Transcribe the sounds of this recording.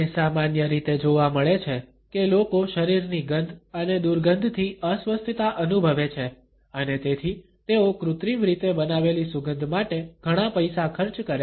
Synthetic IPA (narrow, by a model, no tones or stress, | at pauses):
esamanjəɾit̪ed͡ʒoʋaməɭet͡ʃʰe | kelokoʃəɾiɾniɡənd̪ʱəned̪uɾɡənd̪ʱt̪ʰiʔəsʋəst̪ʰit̪aʔənubʱəʋet͡ʃʰe | ənet̪et̪ʰi | t̪eokɾut̪ɾimɾit̪ebənaʋelisuɡənd̪ʱmaʈeɡ̥ʱəɽ̃apəjsakʰəɾt͡ʃkəɾe